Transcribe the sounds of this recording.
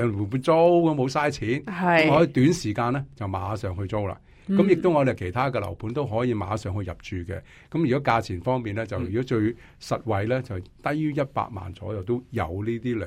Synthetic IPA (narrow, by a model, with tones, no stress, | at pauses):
u˨˩u˧t͡so˥wkɐ˨˦mo˨˧wsaː˥jt͡sʰiː˨˥nɐ˨ɔː˨˧t̪yː˨˥nsiː˨˩kaː˧nlɛː˥t͡sɐ˨wmaː˨˧˥sœː˨ŋɦɵ˧ɥt͡so˥wla̰ː˧ | kkɐ˨˥mjɪ˨k̚t̪ʊ˥wŋɔ˨˧d̪e˨kʰe˨˩jt̪ʰaː˥kɛː˧lɐ̰˨˩wpʰuː˨˥nt̪o˥wɦɔː˨˥jiː˨˧ma̰ː˨˧sœː˨ŋhɵ˧ɥjɐ˨p̚t͡ʃyː˨kɛ̰ː˧ | kɐ˨˥mjyː˨kɔ˨˥kaː˧t͡sʰiː˨˩nfɔː˥ŋmiː˨nlɛː˥t͡sɐ˨wjyː˨kɔ˨˥t͡ʃɵ˧ɥ | sɐ˨t̚wɐ˨jlɛː˥t͡sɐ˨wt̪ɐ˥jjyː˥jɐ˥t̚pa̰ː˧k̚ma̰ː˨˩nt͡sɔː˨˥jɐ˨wt̪o˥wjɐ̰˨˧wliː˥t̪iː˥lœ̰ː˨